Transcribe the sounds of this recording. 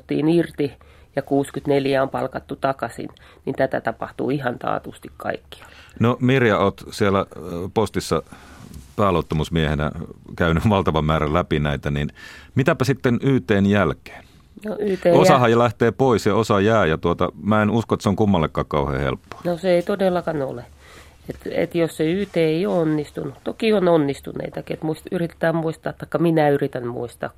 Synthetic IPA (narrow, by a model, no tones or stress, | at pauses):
t̪ːḭːnirt̪i | jɑkuːskyt̪neljæompɑlkɑt̪ːut̪ɑkɑsḭn | nint̪æt̪æt̪ɑpɑht̪ṵːihɑnt̪ɑ̰ːt̪ust̪ikkɑ̰ikːi̥ɑ̥nomirjɑoːt̪sielæpost̪isːɑ | pæːloˑut̪ːɑmusmiehenæ̰kæynyʋɑlt̪ɑʋɑmmæːɾælæpinæit̪æninmit̪æpæsit̪ːenyːt̪eːnjælke̥ːn | noyːeːosɑhɑjjɑlæht̪eːpoisjɑosɑjæːjɑt̪uot̪ɑ̰mæːenuskoet̪ːæseoŋkumːɑlːekːɑːkkɑuhḛːhḛlpːo̥ːnoseeit̪odelːɑkɑno̰le | et̪ḛt̪josseyːt̪eːeioːonːist̪unut̪okiononːist̪ṵnḛit̪ɑkiet̪muisyrit̪e̥t̪æːmuist̪ɑːtt̪ːɑikːɑminæyrit̪ænmṵist̪ɑ̰ːk